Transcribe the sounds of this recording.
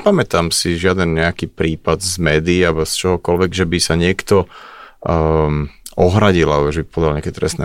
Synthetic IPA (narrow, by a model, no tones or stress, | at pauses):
pamɛt̪amsiʒɪad̪ɛnɲɛakiːpɾiːpad̪zmɛːd̪iːabɔst͡ʃɔɦɔkɔlʋɛɡʒɛbisaɲɪɛkt̪ɔ | ʔɔɦɾaɟilabɔʒɛbipɔd̪alɲɛakɛt̪ɾɛ̰st̪nɛ̰